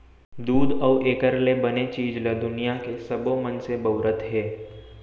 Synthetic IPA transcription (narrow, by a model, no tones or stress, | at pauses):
d̪uːd̪ɔːʔeːkəɾlebənet͡ʃiːd͡ʒled̪ʊnijakesɐbomənsebəʊɾət̪ɦɛː